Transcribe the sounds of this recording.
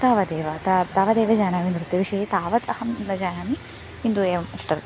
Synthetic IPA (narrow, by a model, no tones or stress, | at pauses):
t̪aːʋɐd̪eːʋɐt̪at̪aːʋɐd̪eːʋɐd͡ʒaːnaːmind̪ɾit̪ːiʋiʃɐjit̪aːʋɐt̪ɐhɐmd̪ɐd͡ʒaːnaːmi | hind̪ueːmɐsʈɐɾ